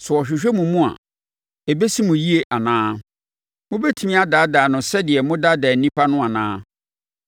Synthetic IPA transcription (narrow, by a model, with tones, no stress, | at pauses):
sʊ˨ɔ˨ɕᶣɪ˨ɕᶣɛ˦mũ˨mũ˦a̰˨ | ɛ˨be˦si˦mʊ̃˨ji˦e˨ʔa˨nãː˦ | mʊ̃˦bɛ˦tʰi˨mĩ˦a˨daː˨˦daː˨nʊ̃˨sɛ˦dɪ˨ɛ˨mʊ̃˦da˦dɛː˨n̩˦nĩ˦pʰa˦nʊ̃˦a˨nãː˦